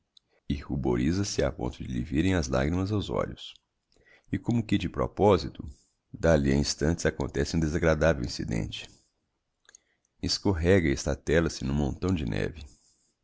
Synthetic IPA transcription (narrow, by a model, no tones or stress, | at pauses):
ihuboɾizɐsɪapõ̰nt̪ʊd͡ʒɪliviɾẽj̃ɐzla̰ɡɾimɐzawzɔ̰ʎʊs | ɪkõmʊkɪd͡ʒɪpɾo̰pɔzit̪ʊ | d̪aliɐĩst̪ɐ̃nt͡ʃɪ̥zakõnt̪ɛsɪũd̪ezaɡɾad̪avɛwĩsid̪ḛ̃nt͡ʃɪ̥ | ɪskoɦɛɡɐɛst̪ɐt̪ɛlɐsɪnʊ̃mõnt̪ɐ̃w̃d͡ʒɪnʔɛ̰vɪ